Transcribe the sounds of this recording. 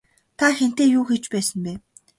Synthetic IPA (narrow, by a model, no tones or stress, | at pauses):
t̪ʰaxen̥t̪eːjuːxet͡ɕpæːsə̆npæː